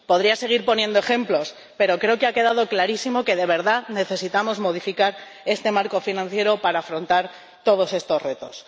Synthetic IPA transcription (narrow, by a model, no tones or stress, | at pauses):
po̞ðɾiase̞ɣ̞iɾpo̞nje̞nd̪oe̞xe̞mplo̞s | pe̞ɾo̞kɾe̞okeake̞ð̞að̞o̞klaɾisimo̞ke̞ðe̞β̞e̞ɾðane̞θe̞sit̪amo̞zmo̞ð̞ifikaɾ | e̞st̪e̞maɾko̞finãn̟θje̞ɾo̞paɾaːfɾo̞nt̪aɾ | t̪o̞ð̞o̞se̞st̪o̞sre̞t̪o̞s